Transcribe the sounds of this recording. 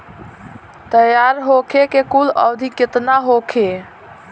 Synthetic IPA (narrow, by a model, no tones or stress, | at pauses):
t̪əjaɾɦokʰekekulə̰wd̪ʱiket̪naɦokʰe